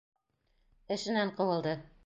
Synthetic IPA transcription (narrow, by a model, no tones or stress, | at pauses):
ɘ̆ʃɘ̆næɴqɤ̆wɤ̆lˠd̪ɤ